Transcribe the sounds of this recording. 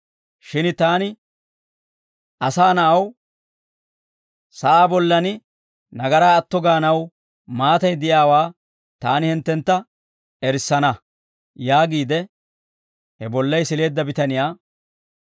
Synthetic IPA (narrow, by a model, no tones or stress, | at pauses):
ʃɪnt̪aːnɪ | ʔɐsaːnɐʔɐw | sɐʔaːbɔlːɐnɪ | nɐɡɐɾaːɐt̪ːɔɡaːnɐw | maːt̪ɐjd̪ɪjaːwaː | t̪aːnɪhɪnt̪ːɛnt̪ːɐ | ɛɾɪsːɐnɐ | jaːɡiːd̪ɛ | hɛbɔlːɐjsɪle̞ːd̪ːɐbɪt̪ɐnɪjaː